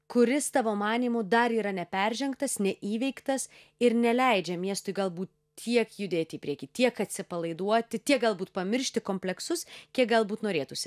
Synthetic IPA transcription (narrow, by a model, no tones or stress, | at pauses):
kʊɾʲɪst̪ɑʋoːmɑːnʲiːmʊd̪ɐɾiːɾɐnʲɛpʲɛɾʲʒʲɛŋkt̪ɐsnʲɛʔiːʋʲɛɪkt̪ɐs | ɪɾnʲɛlʲɛɪd͡ʒʲɛmʲiɛst̪ʊɪɡɐlˠbuːt̪ | t̪ʲʰiɛkjʊd̪ʲeːt̪ʲɪiːpʲɾʲiɛkʲiːt̪ʲiɛkɐt̪ʲsʲɪpɐlˠɐɪd̪uɔt̪ʲɪt̪ʲiɛk̚ɡɐlˠbuːt̪pɐmʲɪɾʲʃʲt̪ʲɪkoːmʲpʲlʲɛksʊskʲiɛk̚ɡɐlˠbuːt̪noːɾʲeːt̪ʊsʲɪ